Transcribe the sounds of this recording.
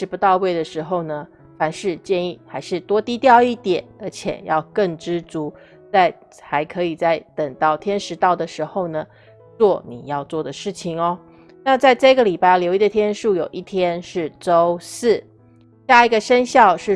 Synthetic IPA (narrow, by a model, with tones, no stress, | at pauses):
ʂɻ̩˧˥pu˧t̪ɑ˥˧ʊwe˥˩ɪd̪ə˩ʂɻ̩˧˥xo˥˧ʊnə˩ | fa˧˥nʂɻ̩˥˧t͡ɕjɛ˥˧ni˥˩xa˧˥ɪʂɻ̩˥˩t̪wɔ˥t̪i˥t̪jɑ˥˧ʊi˥˩t̪jɛ˨˩˦nə˞˧˥t͡ɕʰjɛ̰˨˩jɑ˥˧ʊkə˥˩ŋʈ͡ʂɻ̩˥t͡su˧˥ | t͡sa˥˩ɪ | xa˧˥ɪkʰɤ˧˥i˨˩t͡sa˥˩ɪt̪ə˨˩ŋt̪ɑ˥˩ʊt̪ʰjɛ˥nʂɻ̩˧˥t̪ɑ˥˩ʊd̪ə˩ʂɻ̩˧˥xo˥˧ʊnə˩ | t͡swɔ˥˩ni˨˩jɑ˥˧ʊt͡swɔ˥˩d̪ə˩ʂɻ̩˥˩t͡ɕʰi˨˩ŋɔ˧˦ | na˥˧t͡sa˥˧ɪʈ͡ʂɤ˥˧i˧ɡə˩li˨˩pa˥a˥˩ɪljo˧˥ʊi˥d̪ə˨t̪ʰjɛ˥nʂu˥˩jo˨˩ʊʔi˥˩t̪ʰjɛ˥nʂɻ̩˥˩ʈ͡ʂo˥ʊs̩˥˩ | ɕja˥˩i˧˥ɡə˧ʂə˥nɕjɑ˥˧ʊʂɻ̩˥˩